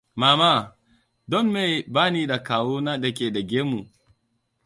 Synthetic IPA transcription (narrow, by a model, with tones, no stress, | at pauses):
maː˨ma˦ | dɔ˦nme˨baː˦ni˦da˨kaː˨wo˦na˦da˨k̬ʲe˨da˨ɡʲe˦mu˨